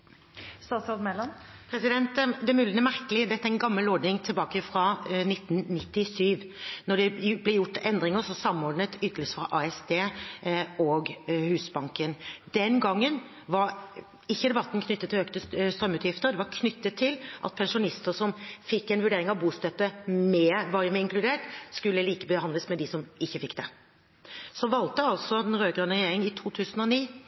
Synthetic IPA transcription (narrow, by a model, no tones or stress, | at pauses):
st̪ɑːt̪sɑd̪mɛlɑnpʰɾɛsɪd̪ɛnt̪d̪ɛmʉːlənɛmæɾkəlɪd̪ɛt̪ːæɛnɡɑmːəlɔɖ̪nɪŋt̪ʰɪlbɑːkəfɾɑnɪt̪ːnnɪt̪ːɪsyːʋnɔɖɛblɛjʊʈːɛnd̪ɾɪŋəsɔsɑmːɔɖɳət̪ʏt̪ʰːələsfɾɑʔɑɛsd̪eː | ɔɡhʉːsbɑŋkənd̪̥ɛnɡɑŋːən | ʋɑɾ | ɪçːəd̪ɛbɑt̪ːn̩kʰnʏt̪ːət̪ʰːɪløkt̪əst̪ɾœmʉːt̪jɪft̪əɾd̪ɛʋɑɾkʰnʏt̪ːət̪ʰːɪlʔɑ̰t̪̚pʰɛnʂʊnɪst̪əɾsɔmfɪkːɛnʋʉɖeːɾɪŋɑʋbuːst̪œt̪ːəmɛːʋɑːɾəmɛɪŋklʉd̪eːʈskʉlːəliːkəbəhɑnd̪ləsmɛd̪ɪsɔmɪçːəfɪkːd̪ɛ | sɔʋɑlt̪əɑlsɔɛnɾøːɡɾønəɾjeːɾɪŋɪt̪ʰuːt̪ʰʉːsənɔniː